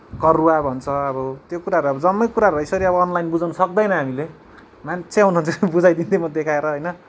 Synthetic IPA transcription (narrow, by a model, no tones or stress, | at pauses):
kʌruabʱʌnt͡sʰʌʌbʌt̪jokuɾaɾuʌbʌd͡zʌmːʌjkuɾaɾuʌisʌɾiʌbʌːnlajnbud͡zawnʌsʌk̚d̪ʌjnʌɦamile | mant͡sʰeawnuɦʌnt͡sʰʌbud͡zajd̪int̪imʌd̪ekʰaeɾʌɦʌjnʌ